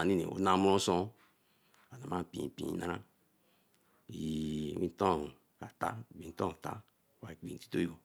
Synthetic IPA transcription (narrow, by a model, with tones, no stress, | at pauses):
a˨ni˦nḛ˨o̰˨˦na˨˦mu˦ɾõ˦so˦ | a˨na˨ma˦˨pĩ˨pḭ̃˨˦na˦ɾa˦ | i˨wi˦n˦to˦˨ | ka˨ta̰˦˨bi˨n˦tõ˦˨ta̰˦˨ | wa˨i˨k͡pi˨n˨ti̥˦to˦o˨